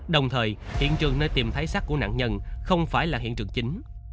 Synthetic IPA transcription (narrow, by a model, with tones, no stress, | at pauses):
ɗə˨˩wŋ͡mt̪ʰəː˨˩jhḭ˧˨ənt͡ɕɨ˨˩əŋnəː˧jt̪i˨˩mt̪ʰaː˨˦jsaː˦˥k̚ku˧˩əna̰ː˧˨ŋɲə˧nxə˧wŋ͡mfaː˧˩jlaː˨˩ɦḭ˧˨ənt͡ɕɨ˨˩əŋt͡ɕi˨˦ŋ̟